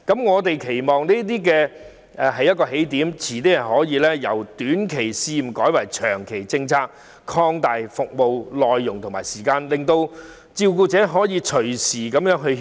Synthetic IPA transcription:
kɐ˨˥mŋɔː˨˧t̪e˨jkʰe˨˩jmɔː˨ŋniː˥t̪iː˥k̬ɛː˧ | ʔɛ˨ɦɐ˨jːt̚kɔː˧ɦe˨˥jt̪iː˨˥mt͡sʰiː˨˩t̪e˥jɐ˨˩hɔː˨˥jiː˨˧lɛː˥jɐ˨˩wt̪yː˨˥nkʰe˨˩jsiː˧˨˩mkɔː˨˥jwɐ˨˩jt͡ʃʰœː˨˩ŋkʰe˨˩jt͡sɪ˧ŋt͡sʰaː˥k̚ | kʰɔː˧ŋt̪aː˨jfʊ˨k̚mo˨wlɔː˨jːʊ˨ŋt̪ʰʊ˨˩ŋmaː˨jsiː˨˩kaː˧nlɪ˨ŋt̪o˧w | t͡siː˧wkuː˧t͡sɛː˨˥ɦɔː˨˥jiː˨˧t͡ʃʰɵ˨˩ɥsiː˨˩kɐ˨˥mjœː˨˥ŋɦɵ˧

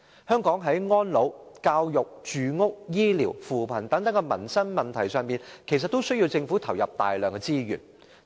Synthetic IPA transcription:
hœː˥ŋkɔː˨˥ŋɦɐ˨˥jŋɔː˥nlo˨˥wkaː˧wjʊ˨k̚t͡ʃyː˨ŋʊ˥k̚jiː˥liː˨˩wfuː˨pʰɐ˨˩nt̪ɐ˨˥ŋt̪ɐ˨˥ŋkɛ˧mɐ˨˩nsɐ˥nmɐ˨˩nt̪ʰɐ˨˩jsœː˨ŋmiː˨nkʰe˨˩sɐ˨t̪̚o˥wsɵ˥ɥji˧wt͡sɪ˧ŋfuː˨˥t̪ʰɐ˨˩wjɐ˨p̚t̪a̰ː˨jlœː˨ŋkɛ˧t͡siː˥jy̰ː˨˩n

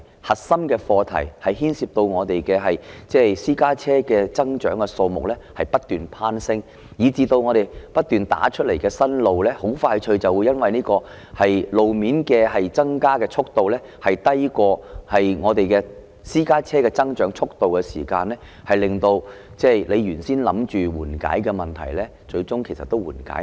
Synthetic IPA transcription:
hɐ˨t̚sɐ˥mkɛː˧fɔː˧t̪ʰɐ̰˨˩jhɐ˨jɦiː˥nsiː˧p̚t̪o˧wŋɔː˨˧t̪e˨jkɛː˧ɦɐ˨jt͡sɛː˥˩siː˥kaː˥t͡sʰɛː˥kɛː˧t͡sɐ˥ŋt͡ʃœː˨˥ŋkɛ˧so˧wmʊ̰˨k̚lɛː˥hɐ˨jpɐ˥t̚t̪yː˨npʰaː˥nsɪ˥ŋ | jiː˨˧t͡siː˧t̪o˧wŋɔː˨˧ɾe˨jpɐ˥t̚t̪ːyː˨nt̪a̰ː˨˥t͡ʃʰɵ˥le˨˩jkɛː˧sɐ˥nlo˨wlɛː˥ho˨˥wfaː˧jt͡ʃʰɵ˧ɥt͡sɐ˨wuː˨˧jɐ˥nwɐ˨jniː˥kɔː˧ | hɐ˨jlo˨wmiː˨˥nkɛː˧hɐ˨jt͡sɐ˥ŋkaː˥kɛː˧t͡ʃʰʊ˥k̚t̪o˨wlɛː˥ | hɐ˨jt̪ɐ˥jkɔː˧hɐ˨jŋɔː˨˧t̪e˨jkɛː˧ | siː˥kaː˥t͡sʰɛː˥kɛː˧t͡sɐ˥ŋt͡ʃœː˨˥ŋt͡ʃʰʊ˥k̚t̪o˨wkɛ˧sḭː˨˩kaː˧nlɛː˥ | hɐ˨jlɪ˨ŋt̪o˧wt͡sɛː˥˩le˨˧jjyː˨˩nsiː˥nlɐ̰˨˥mt͡ʃyː˨wuː˨˩nka̰ː˨˥jkɛː˧mɐ˨˩nt̪ʰɐ˨˩jlɛː˥ | t͡ʃɵ˧ɥt͡sʊ˥ŋkʰe˨˩jsɐ˨t̪ːo˥wuː˨˩nka̰ː˨˥

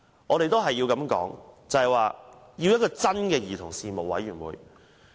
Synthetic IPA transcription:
ŋɔː˨˧ɾe˨jt̪o˥wɦɐ˨jːi˧wkɐ˨˧mkɔ̰ː˨˥ŋt͡sɐ˨hɐ˨jwaː˨ | jiː˧wjɐ˥t̚kɔː˧t͡sɐ˥nkɛː˧jiː˨˩t̪ʰʊ˨˩ŋsiː˨˧mo˨k̚wɐ̰˨˥jɥyː˨˩nwṵː˨˩j

